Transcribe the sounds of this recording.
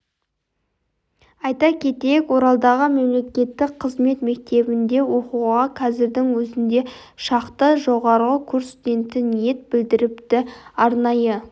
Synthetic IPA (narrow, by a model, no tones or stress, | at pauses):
ɑjt̪ɑkʲʰe̞t̪e̞jɪkwo̞ɾɑlˠd̪ɑʁəme̞mle̞kʲe̞t̪ːɪk̚qʰəzme̞t̪me̞k̚t̪e̞bɪnd̪e̞wo̞quʁɑqʰɑzɪɾd̪ɪŋwɵzɪnd̪e̞ | ʃɑqt̪əʒo̞ʁɑɾʁəkʲʰɵɾsud̪e̞nt̪ɪnije̞t̪̚bɪld̪ɪɾɪpt̪ɪɑɾnɑjə